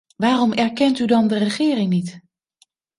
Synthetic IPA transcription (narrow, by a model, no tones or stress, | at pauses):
ʋaːrɔmɛɹkɛntydɑndərəχɪːrɪŋnit